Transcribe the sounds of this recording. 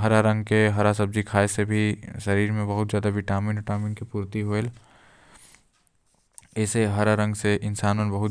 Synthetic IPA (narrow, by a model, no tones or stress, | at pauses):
ɦɐɾaɾɐ̃ŋɡkeɦɐɾasɐb̚d͡ʒikʰaːesebʱiʃɐɾiːɾmẽbɐɦʊt̪zjaːd̪aʋɪʈaːmɪ̃nʋɪʈaːmɪ̃nkipuːɾt̪iɦoel | ɛːseɦɐɾaɾɐ̃ŋɡseʔɪnsaːnənbɐɦʊt̪